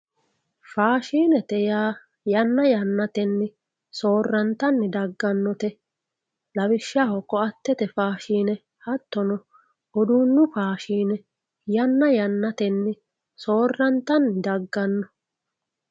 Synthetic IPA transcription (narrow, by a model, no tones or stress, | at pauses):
faːʃiːnɛt̪ɛjaː | jɐnːɐjɐnːɐt̪ɛnːɪ | so̞ːrːɐnt̪ɐnːɪd̪ɐɡːɐnːɔt̪ɛ | lɐwɪʃːaːhɔkːɔɐt̪ːɛt̪ɛfaːʃiːnɛ | hɐt̪ːɔnɔ | ɔd̪uːnːʊfaːʃiːnɛ | jɐnːɐjɐnːɐt̪ɛnːɪ | so̞ːrːɐnt̪ɐnːɪd̪ɐɡːɐnːɔ